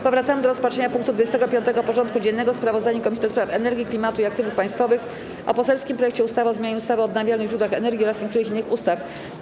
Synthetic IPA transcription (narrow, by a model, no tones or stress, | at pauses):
pɔvɾat̪samɘd̪ɔɾɔspat͡ʂʂɛɲapuŋk̚t̪ud̪vud͡ʑest̪ɛɡɔpʲjɔnt̪ɛɡɔpɔʐɔnt̪̚kud͡ʑɛnːɛɡɔspɾavɔzd̪aɲukɔmʲisʲid̪ɔspɾafɛnɛɾɡʲiklʲimat̪uiak̚t̪ɘvufpaj̃st̪fɔvɘx | ʔɔ̰pɔsɛlskʲimpɾɔjɛkt͡ɕɛust̪avaɔzmʲeɲaɲɛust̪avɛɔːd̪navʲjalnɘɣʒɾud̪waxɛnɛɾɡʲiɔɾasɲeɛk̚t̪uɾɘxinːɘxust̪af